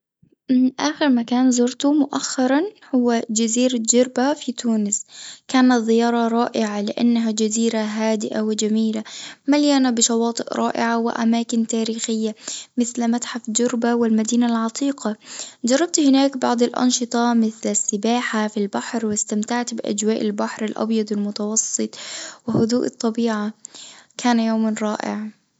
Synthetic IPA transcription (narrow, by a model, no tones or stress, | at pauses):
ʔaːxɪɾmakaːnzʊɾt̪ʊmʊʔaxːɑɾˤɑnhʊwːad͡ʒaziːɾad͡ʒʊɾˤbafit̪uːnɪskaːnat̪ðɪjɑːɾˤɑɾˤɑːʔɪʕalɪʔa̰nːaɦad͡ʒaziːɾaɦaːd̪ɪʔawɪd͡ʒamiːlamaljaːnabɪʃɑwɑːt̪ˤɨʔɾˤʔɑːʔɪ̰ʕawɪ̰ʔa̰maːkɪnt̪aːɾiːxɪjːamɪθlmat̪ħafd͡ʒʊɾbawɪlmad̪iːnalʕɑt̪ˤiːqɑd͡ʒɑrˤːɑb̚t̪hɪnaːkbɑʕd̪ˤɪlʔɑ̰nʃɨt̪ˤɑmɪθlasːɪbaːħafilbaħɾwɪst̪amt̪aʕt̪bɪʔa̰d͡ʒwaːʔɪlbaħɾɪlʔɑ̰bjɑd̪ˤɪlmʊt̪ɑwɑsˤːɨt̪ˤwɪhʊd̪uːʔɨt̪ˤːɑbiːʕakʰaːnjoːmanɾˤɑːʔɪ̰ʕ